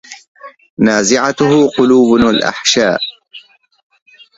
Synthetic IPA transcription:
naːzɪʕat̪ʊhʊqʊluːblʔa̰ħʃaːʔ

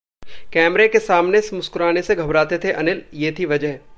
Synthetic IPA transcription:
kɛːmɾekesaːmneɪsmʊskʊɾaːneseɡʱɐbɾaːt̪et̪ʰeʔɐnɪljeːt̪ʰiʋɐd͡ʒəɦ

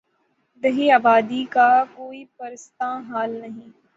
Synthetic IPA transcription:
d̪ɐɦiaːbaːd̪ikakoːipɐɾst̪ãːɦaːlnɐɦĩː

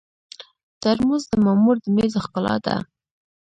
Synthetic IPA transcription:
t̪aɾmuzd̪əmamuɾd̪əmezaxkʊlɑ̰d̪a̰

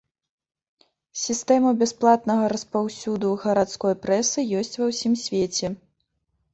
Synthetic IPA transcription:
sʲist̪ɛmɐbʲɛsplˠat̪nɐɣɐɾɐspawsʲud̪uɣɐɾat̪skɔjpɾɛsɨjɔsʲt͡sʲvɐwsʲimsʲvʲet͡sʲɛ

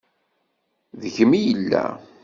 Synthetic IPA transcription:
ðəçəmijəlːæ̰

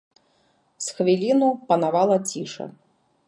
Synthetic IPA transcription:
sxvʲilʲinupɐnavalˠɐt͡sʲiʂɐ̰

